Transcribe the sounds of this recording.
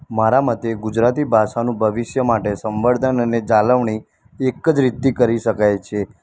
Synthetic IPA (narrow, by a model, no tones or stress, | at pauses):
maɾamət̪eɡud͡ʒɾat̪ibʱaʃanũbʱəʋɪʃjəmaʈesə̃mʋəɽd̪ʱənəned͡ʒaləʋɳ̃i | ekːəd͡ʒɾit̪ːikəɾiʃəkajt͡ʃʰe